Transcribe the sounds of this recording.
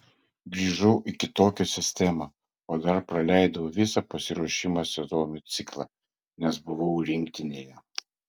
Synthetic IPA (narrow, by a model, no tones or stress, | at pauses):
ɡɾʲiːʒɐʊʔikʲɪt̪oːkʲɛsʲɪsʲt̪ʲɛmɐ | oːd̪ɐɾpɾɐlʲæˑɪd̪ɐʋoʋʲɪsɐpɐsʲɪɾuɔʃʲɪmɑsʲɛzoːmʲʊt̪sʲɪklˠɑ̰ː | nʲɛsbʊʋɐʊɾʲɪŋʲk̚t̪ʲɪnʲeːjɛ